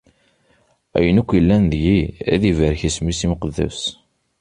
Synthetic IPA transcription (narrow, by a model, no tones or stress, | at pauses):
æ̰jənækʷːjəlːænðʝiæ̰ðivəɾçismisimqəðːæ̰s